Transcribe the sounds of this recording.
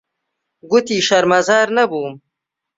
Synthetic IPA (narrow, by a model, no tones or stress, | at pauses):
ɡut̪iʃaɾmɐzaːɾnabuːm